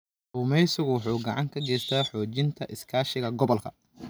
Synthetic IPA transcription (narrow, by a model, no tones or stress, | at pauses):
ʔʊmɛjsʊɣwʊħuːɡɐʕɑŋkʰɐɡɛːjst̪ʰaːħɔːt͡ʃɪnt̪ʰɐʔɪskʰaːʃɪɣɐɡɔβɔlkʰɐ̰